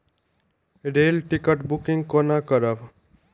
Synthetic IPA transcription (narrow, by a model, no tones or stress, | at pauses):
ɾelʈikəʈbukiŋɡkonakʌɾʌb